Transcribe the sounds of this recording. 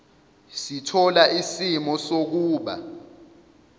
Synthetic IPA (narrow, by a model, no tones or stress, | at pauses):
sitʰɔlaʔisimɔsok̬uːɓa̰